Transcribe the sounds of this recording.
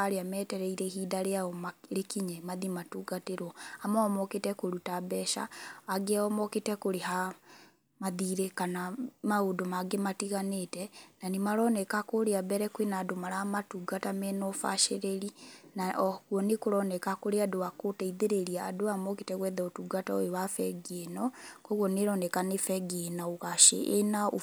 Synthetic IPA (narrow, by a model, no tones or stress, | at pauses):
aɾeamɛtɛɾɛiɾɛhiːdaɾeaɔmaɾekiɲɛmaðimatuɡateɾwɔamɔɔmɔketɛkoɾutabɛʃa̰ːɡeaɔmɔketɛkoɾeha | maðiɾekanamaodomaɡematiɣanetɛnanimaɾɔnɛkakoɾeabɛɾɛkwenadomaɾamatuɡatamɛnɔfa̰ʃeɾeɾinakwɔnekoɾɔnɛkakoɾeadoakotɛiðeɾeɾiaːdoamɔketɛɣwɛðɛotuɡatao̰owafɛɡenɔkɔɣwɔneɾɔnɛkanefɛɡenaoɣaʃḛʔːnao